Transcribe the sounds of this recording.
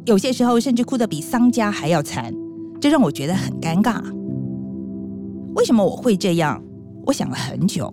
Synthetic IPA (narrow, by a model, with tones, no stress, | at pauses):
jo˨ʊɕjɛ˥ʂɻ̩˧˥xo˥˧ʊʂə˥˧nʈ͡ʂɻ̩˥˩kʰu˥d̪ə˨˩pi˨˩sɑ˥ŋt͡ɕja˥xa˧˥ɪjɑ˥˩ʊt͡sʰa̰˧˥nʈ͡ʂo˥˧ɻɑ˥˩ŋwɔ˨˩t͡ɕɥɛ˧˥d̪ə˧˨xə˨˩nka˥nkɑ̰˥˩ | we˥˩ɪʂə˧˥nmə˧wɔ̰˨˩xwe˥˧ɪʈ͡ʂɤ˥˧jɑ̰˥˩ŋ | wɔ˧˥ɕjɑ̰˨˩ŋlə˦xə̰˧˦nt͡ɕjo̰˨˩˦ʊ